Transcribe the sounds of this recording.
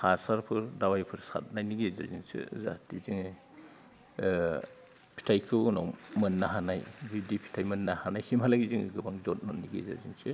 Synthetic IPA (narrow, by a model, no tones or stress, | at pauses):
hasaɾpʰɯɾdawajpʰɯɾsa̰t̚najniɡeza̰zinsɯ̰za̰tiziŋɯ | pʰi̥tʰajkʰɯwnɔwmɯnːaɦanajbidipʰi̥tʰajmɯnːahanajsimalaɡiziŋɯ̰ɡɯbaŋzɔt̚nɔniɡḛza̰zinsɯ